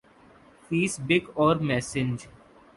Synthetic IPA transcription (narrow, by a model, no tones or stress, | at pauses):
fiːsbɪkɔːɾmɛːsɪ̃ɲd͡ʒ